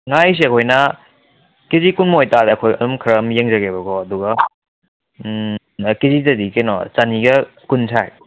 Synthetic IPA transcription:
ŋajs̬eɐkʰojnɐ | kezikunmojtadɐkʰojɐlumkʰɐɾɐmjeŋzɐɡebɐɡɔɐduɡɐ | kezizɐdikenɔ̰t͡ʃaniɡɐkunsʰaj

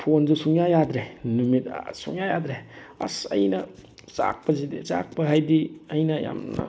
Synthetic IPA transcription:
pʰonzusuŋjajad̪ɾenumita̰suŋjajadɾeɐ̰sɐ̰jnɐza̰k̚pɐzidiza̰k̚pɐɦajdiɐjnɐja̰mnɐ̰

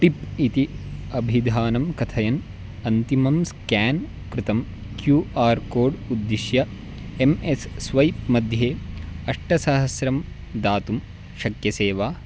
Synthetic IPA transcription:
ʈipit̪iɐbʱid̪ʱaːnɐmkɐt̪ʰɐjɐn | ɐnt̪imɐmskæːn | kɾut̪ɐm | kjuːʔaːɾkoːɾɖud̪ːiʃjɐ | emesːʋɐjpmɐd̪ʱjeːɐʂʈɐsɐɦɐsɾɐm | d̪aːt̪um | ʃɐkjɐseːʋaː

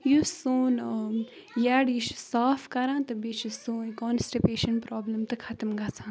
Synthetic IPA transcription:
jusoːn | jɛːɖiʃsaːfkɐɾãːt̪ɨbit͡ʃʰisõːnkɔːnsʈipeːʃənpɾɔːbləmt̪ɨkʰɐt̪əmɡat͡sʰãːn

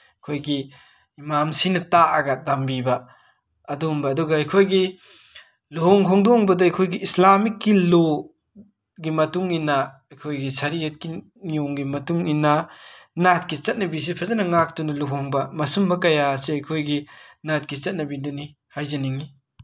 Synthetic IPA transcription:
ɐkʰojɡi | imamsinɐtaʔɐɡɐdambibɐ | ɐdumbɐːduɡɐɐjkʰojɡi | luɦɔŋkʰɔŋdoŋbɐdɐɐjkʰojɡiʔːslamikːilo | ɡimɐtuŋinɐ | ɐjkʰojɡisɐɾiɐt̚ki | nioŋɡimɐtuŋinɐnat̚kit͡ʃɐt̚nɐbis̬ipʰɐzɐnɐŋak̚tunɐluɦoŋbɐmɐsumbɐkɐjasiɐjkʰojɡinat̚kit͡ʃɐt̚nɐbidɔni | hajzɐniŋi

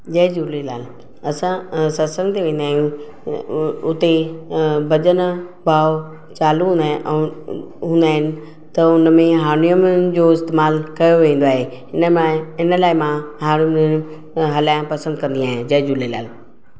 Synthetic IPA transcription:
d͡ʑɐd͡ʑulelaːl | ɐsãsɐsə̃ŋɡt̪ʰeʋẽːnd̪aːɦɪũ | ʊt̪e | bɐd͡ʑənbʱaːo | t͡ɕaːluɦũn | ɦũːnd̪aːɦɪnɪ̆ | t̪ɐʊnmẽɦaːɾnijəmd͡ʑoːɪst̪eːmaːlkɐjoʋẽːn̆d̪oaːɦeɪnɪnəlaːɪmãɦaːɾnʊjm | ɦɐlaːj̃pɐsə̃nd̪̚kɐ̃nd̪ijãːɦɪẽd͡ʑɐɦd͡ʑuːlela̰ːl

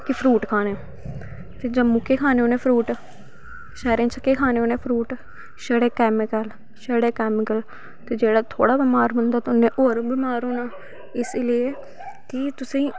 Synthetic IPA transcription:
kɪpʰɾuːʈkʰaːneː | t̪eːd͡ʒəmːuːkeːkʰaːneːoːneːpʰɾuːʈ | ʃɛːɾẽːt͡ʃəkːeːkʰaːneːoːneːpʰɾuːʈ | ʃəɽeːkɛːmɪkəl | ʃəɽeːkɛːmɪkəl | t̪eːd͡ʒeːɽaːt̪ʰo̰ːɽaːbɪmaːɾbənd̪aːt̪ʊnːẽːʔoːɾbɪmaːɾoːnaː | ɪslɪe | kɪt̪ʊsĩː

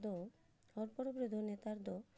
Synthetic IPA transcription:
d̪o | ɔɾpɔɾobɾud̪ʱonet̪aɾd̪o

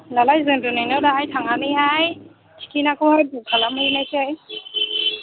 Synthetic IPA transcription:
lalajzɯnɾɯnɯjnɯdaajtʰaŋanɯjɦaj | tʰi̥kinakɯhajdukʰalamɯjnajtʰɯj

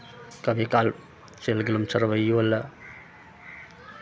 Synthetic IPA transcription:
kəbʱikal | t͡ʃelɡelumt͡ʃʰəɾəʋəjolə

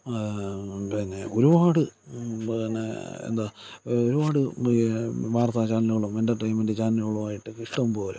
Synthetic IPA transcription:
pinːeo̞ɾubaːɽɨ | inːḛḛnd̪aːoɾubaːɽɨ | ʋaːrt̪at͡ɕaːniluɭumendeʈrijmɐndɨt͡ɕaːniloɐɭumaːjiʈːɨkiʂʈɐmpoːlu

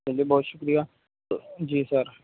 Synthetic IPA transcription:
ɛ̃liːbɔːt̪ʃʊkɾijaː | d͡ʒiːsəɾ

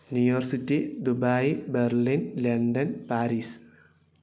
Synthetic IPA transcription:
nujoːrsitːid̪ubajberlinleɳɖɐnpaːɾiːs

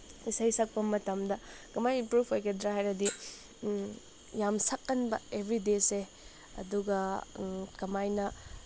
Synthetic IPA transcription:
isajsɐk̚pɐmɐtɐmdɐkɐmajinpɾupʰojkɐdɾaɦajɾɐdi | jamsɐkːɐnbɐ̰ebʱɾidese | ɐ̰duɡɐ | kɐmajnɐ

